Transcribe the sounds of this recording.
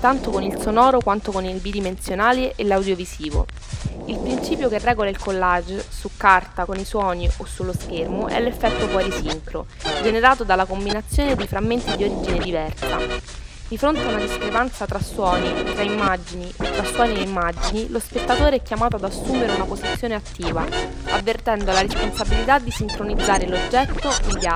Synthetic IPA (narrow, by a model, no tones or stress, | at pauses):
t̪ant̪okonilsonɔːɾokwant̪okonilbid̪imensjonaːleʔelːawd̪jovisiːvo̰ | ilpɾint͡ʃiːpjokerːɛːɡolailkolːad͡ʒsukːart̪akoniswɔːniʔosːulːoskermoʔɛ̰lːefːɛt̪ːofwɔɾisiŋkɾo̰ | d͡ʒeneɾaːt̪od̪alːakombinat̪sːjoːned̪ejfɾamːent̪id̪ioɾiːd͡ʒined̪ivɛrsa | d̪ifɾont̪eaunad̪iskɾepant̪sat̪ɾasːwɔːniet̪ːɾaimːad͡ʒiniʔot̪ːɾasːwɔːnieimːad͡ʒinilospet̪ːat̪oːɾeɛkjamaːt̪oad̪asːuːmeɾeunapozit̪sːjoːneat̪ːiːva̰ | avːert̪ɛnd̪olaɾesponsabilit̪ad̪ːisiŋkɾonid̪zːaːɾelod͡ʒːɛt̪ːoind̪ja